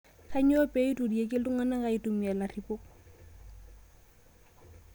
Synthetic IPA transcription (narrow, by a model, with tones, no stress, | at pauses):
kʰa˦ɲo˦pʼe˦i˦tʼu˨di˨e˦kʼɪ˦lʊ˦ŋa˦na˦ɣa˨ɪ˦tʼʊ˨mi˨a˨la˨ri˨pʊ˦